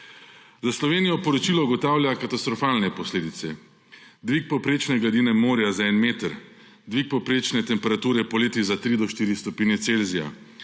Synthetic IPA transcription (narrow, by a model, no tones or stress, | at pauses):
zaslɔʋeːnijɔpɔɾɔt͡ʃiːlɔuɡɔt̪aːwljakat̪ast̪ɾɔfalnɛpɔsleːd̪it̪sɛ | d̪ʋik̚pɔpɾeːt͡ʃnɛɡlad̪iːnɛmoːɾjazaɛnmeːt̪ɾ | d̪ʋik̚pɔpɾeːt͡ʃnɛt̪ɛmpɛɾat̪uːɾɛpɔleːt̪izat̪ɾid̪ɔʃt̪iːɾist̪ɔpiːnjɛt̪selzija̰